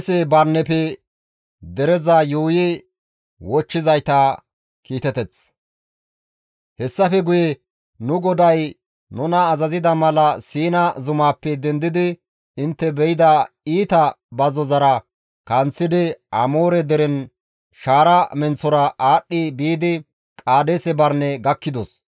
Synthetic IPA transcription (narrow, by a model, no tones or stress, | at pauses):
sɛbɐɾnːɛpɛ | d̪ɛɾɛzɐjuːjɛ | wɔt͡ʃːɪzɐjt̪ɐ | kiːt̪ɛt̪ɛt͡s | hɛsːɐfɛɡʊjɛ | nʊɡɔd̪ɐj | nʊnɐːzɐzɪd̪ɐmɐlɐsiːnɐzʊmaːpːɛd̪ɛnd̪ɪd̪ɪ | ɪnt̪ːɛbɛjɪd̪ɐ | iːt̪ɐ | bɐzɔzɐɾɐ | kɐnt͡sːɪd̪ɪɐ̰moːɾɛd̪ɛɾɛn | ʃaːɾɐmɛnt͡sːɔɾɐaːɗːɪbiːd̪ɪ | kʼaːd̪esɛbɐɾnɛɡɐkːɪd̪ɔs